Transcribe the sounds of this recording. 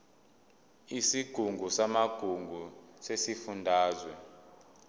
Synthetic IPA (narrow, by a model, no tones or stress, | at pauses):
isiɡ̥ʱuŋɡʱusamaɡ̥ʱuŋɡʱusesifundʱaːzwɛ